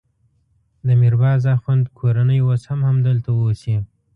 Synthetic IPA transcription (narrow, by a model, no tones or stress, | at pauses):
d̪əmiɾbɑzaxwand̪kʰoɾanəjwoshamhamd̪əlt̪awosi